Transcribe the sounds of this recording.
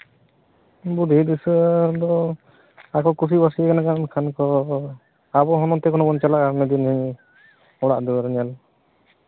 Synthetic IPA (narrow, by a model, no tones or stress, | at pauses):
bud̪ʱid̪isd̪ɔ | akɔkus̬ibasiɛkɛnakankʰankɔ | abɔɦɔnɔt̪ɛkɔnɔkɔnt͡ʃalaʔmɛd̪inhi | ɔɽa̰ʔd̪uɾɛɲal